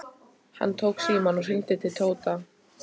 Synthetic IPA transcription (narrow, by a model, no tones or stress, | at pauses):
ha̰nːt̪ʰowksiːmanɔsint̪ɪt̪ʰɪlt̪ʰoːwt̪a